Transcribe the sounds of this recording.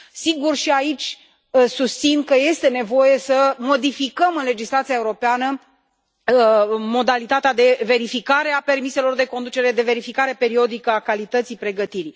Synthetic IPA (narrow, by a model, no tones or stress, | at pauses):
siɡurʃiait͡ʃʲ | sust̪sinkəje̞st̪e̞ne̞vo̞je̞səmo̞d̪ifikəmɨnle̞d͡ʒislat̪siae̞uɾo̞peanə | mo̞d̪alit̪at̪ead̪e̞ve̞ɾifikaɾe̞ape̞rmise̞lo̞rd̪e̞ko̞nd̪ut͡ʃe̞ɾed̪e̞ve̞ɾifikaɾe̞pe̞ɾio̞d̪ikəakalit̪ət̪sipɾe̞ɡət̪iɾi